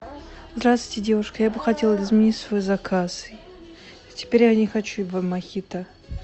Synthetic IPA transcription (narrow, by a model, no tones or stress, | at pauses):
zd̪ɾast̪vɨjtʲɪdʲe̞vʊʂkəjabɨxɐtʲe̞lˠzmʲɪnʲitʲsvo̞jzɐkʰas | tʲɪ̥pʲeɾʲjanʲɪxɐt͡ɕuvamːɐxʲit̪ə